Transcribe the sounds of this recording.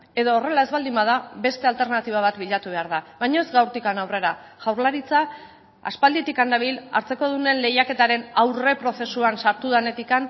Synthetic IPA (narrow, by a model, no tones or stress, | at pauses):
e̞ðoːre̞lae̞zβald̪imbað̞aβe̞st̪e̞alt̪e̞ɾnat̪iβ̞aβat̪biʎat̪uβe̞aɾð̞aβajɲo̞ezɡawɾt̪ikanawre̞ɾaʝ̥awɾlaɾit͡sa | a̰spald̪it̪ikand̪aβ̞ila̰ɾt͡se̞ko̞ð̞une̞nle̞jake̞t̪aɾe̞nawre̞pɾo̞se̞suansaɾt̪uðane̞t̪ikan